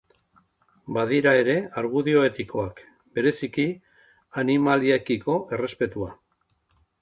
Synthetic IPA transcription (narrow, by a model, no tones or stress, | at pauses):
baðiɾae̞ɾe̞aɾɣuðio̞e̞t̪iko̞ak | be̞ɾe̞siki | animaliekiko̞ʔe̞re̞spe̞t̪ua